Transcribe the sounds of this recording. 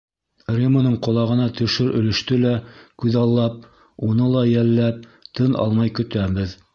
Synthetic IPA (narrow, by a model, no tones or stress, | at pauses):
rʲimonɤɴqŏlˠɑʁɤ̆nɑt̪ɵ̆ʃɵɾɵ̆lɘ̆ʃt̪ɵlækʉðɑlˠːɑp̚ | unɤlˠɑjælːæp̚t̪ɤnʔɑ̰lˠmɑjkɵ̆t̪æbɘð